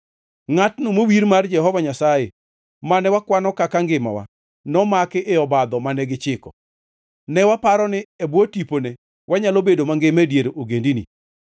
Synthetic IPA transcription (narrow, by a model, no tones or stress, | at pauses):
ŋatnomowiɾmard͡ʒɛɦɔvaɲasaje | manɛwakwanɔkakaŋɡɪma̰wa̰ | nɔmakɪʔɪɔbad̪ɔmanɛɡɪt͡ʃɪkɔ̰ | nɛwapaɾɔnɪɛbwotipone | wʔaɲalobedomaŋɡemedjeɾoɡendinḭ